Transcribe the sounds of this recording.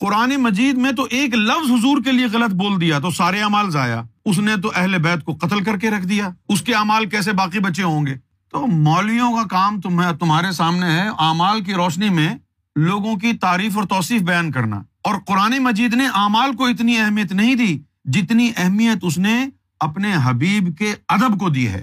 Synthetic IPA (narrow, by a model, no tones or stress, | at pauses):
qʊɾaːnemɐd͡ʒiːd̪mẽt̪̬oʔeːklɐfzɦʊzuːɾk̬elieɣɐlət̪̚boːld̪ijat̪̬osaːɾeaːmaːlzaːja̰ːʊs̬net̪̬oʔɛɦlebɛːt̪̚koqɐt̪əlkɐɾkeɾɐkʰd̪ijaːʊskeaːmaːlkɛːs̬ebaːqibɐːʃeɦõːŋɡeː | t̪oːmɔːlijõkakaːmt̪ʊt̪ʊmɦaːɾesaːmneɦɛʔaːmaːlk̬iɾɔːʃnimẽ | loːɡõk̬it̪aːɾiːfɔːɾt̪ɔːsiːfbɐjaːnkɐɾna̰ː | ɔːɾqʊɾaːnemɐd͡ʒiːd̪neʔaːmaːlkoɪt̪̬niɛɦmijət̪nɐɦĩd̪iː | d͡ʒɪt̪niʔɛɦmijət̪ʊs̬ne | ɐpneɦɐbiːbkeɐd̪əbkod̪ḭːɦɛ̰ː